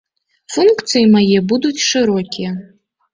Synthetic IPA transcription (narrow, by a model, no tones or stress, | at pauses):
funkt̪sɨjimajɛbud̪ut͡sʲʂɨɾɔkʲijɛ